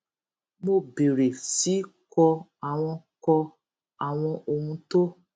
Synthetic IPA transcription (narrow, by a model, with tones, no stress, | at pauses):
mo˦be˨ɾe˨si˨˦kɔ˧a˨w̃ɔ̃˧kɔ˧ | a˨w̃ɔ̃˧ʔo˧hũ˧˦to˦